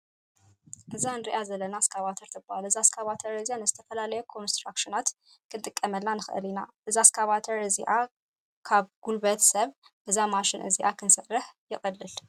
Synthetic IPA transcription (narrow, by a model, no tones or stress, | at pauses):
ʔɨzaɨnd̪ɾiʔazəlːənaskʰaβat̪ʰəɾt̪ʰɨbalɨzaskʰaβat̪ʰəɾɨzijanəzɨt̪ʰəfəlalajɛkʰo̞nst̪ɾakʃɪnat̪ | kʰɨnt̪ʼɨkʼːəməlːanɨxʔɨ̰linaʔɨzaskʰaβat̪ʰəɾɨziʔa | kʰaβɡ̥ulbət̪səβ | bɨzːamaʃɪnʔɨ̰ziʔakʰɨnsərːɨhjɪχʼəlːɨl